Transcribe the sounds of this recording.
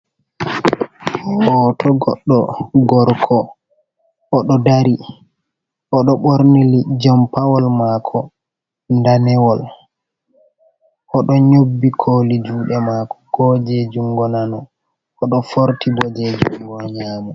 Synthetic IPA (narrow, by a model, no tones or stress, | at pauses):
hɔtʰɔɡɔɗːɔɡɔɾkʰɔ | ʔːɗɔdaɾi | ʔɔɗɔɓoɾnilid͡ʒɔmpawɔlmaːkʰɔ | ndanɛwɔl | ʔɔɗɔɲobːikʰoːlid͡ʒuːɗɛmaːkɔ̥ɡ̥ɔd͡ʒɛd͡ʒuŋɡɔnanɔ | ɔɗɔfoɾtibɔd͡ʒɛd͡ʒuŋɡɔɲaːmɛ